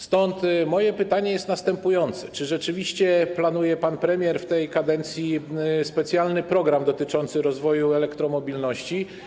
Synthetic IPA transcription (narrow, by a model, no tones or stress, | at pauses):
st̪ɔnt̪mɔjɛpɘt̪aɲɛjɛst̪nast̪ɛmpujɔnt̪sɛ̥t͡ʂɘʐɛt͡ʂɘvʲiɕt͡ɕɛplanujɛpanpɾɛmʲjɛɾft̪ɛjkad̪ɛnt̪sʲjispɛt̪sʲjalnɘpɾɔɡɾamd̪ɔt̪ɘt͡ʂɔnt̪sɘɾɔzvɔjuɛlɛkt̪ɾɔmɔbʲilnɔɕt͡ɕi